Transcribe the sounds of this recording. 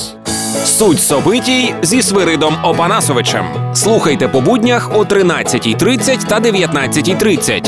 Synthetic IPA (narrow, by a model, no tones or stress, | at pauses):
sutʲsɔbɪtʲijzʲisʋɪɾɪd̪ɔmɔpɐnɑsɔʋɪt͡ʃɛ̰mslˠuxɐjt̪ɛpɔbudʲnʲɐxut̪ɾɪnɑt͡sʲːɐtʲijt̪ɾɪt͡sʲːɐtʲt̪ɐd̪eʋʲjɐt̪nɑt͡sʲːɐtʲijt̪ɾɪt͡sʲːɐ̰tʲ